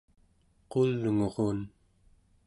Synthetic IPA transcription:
qolːŋoʁon

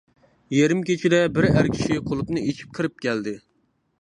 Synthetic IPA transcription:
jeɾɪmkʲet͡ʃʰid̪ɛbɪɾæɾkʲʰi̥ʃʃiqʰolˠupnɨet͡ʃʰi̥p̚kʰɨɾɪp̚kʲʰæld̪ɪ

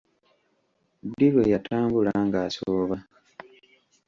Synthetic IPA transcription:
d̪ilwejatʰaːmbulaŋɡaːsoːβa

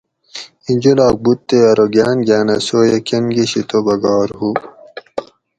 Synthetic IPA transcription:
ind͡ʑolaːk̚but̪ːeɐɾoɡaːnɡaːnɐsoːjekenɡiɕit̪obɐɡaːɾhu

